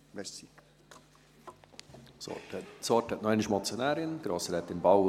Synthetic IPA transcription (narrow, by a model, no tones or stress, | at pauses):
ʋɛsi | sɔ̰tɛsɔtɛt̪nɔɛniʃmɔt͡sjonæːɾɪənɡ̥ɾɑːsəɾɛt̪ːɪnbɑw